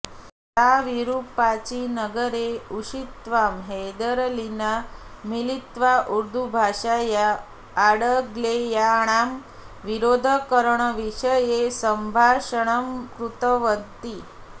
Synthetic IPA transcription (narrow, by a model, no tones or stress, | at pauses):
t̪aʋiɾuːpat͡ɕinəɡəɾeuʂit̪ʋamɦed̪əɾlinamilit̪ʋaʔuɾd̪ʱubʱaʂajaː | ɽəɡlejaɽ̃am | ʋiɾod̪ʱəkəɾɳəʋiʂəjesəmbʱaʂəɽ̃əmkɾut̪əʋənt̪i